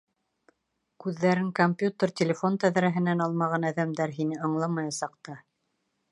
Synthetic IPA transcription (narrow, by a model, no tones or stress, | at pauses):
kʉðːæɾɘŋkomʲpʲjut̪ʲərt̪ʲɪlʲɪfo̞nt̪æðɾæɦɘ̆nænɑlˠmɑʁɑnæðæmd̪æɾɦinɘɤ̆ɴlˠɑmɑjɑsɑqt̪ɑ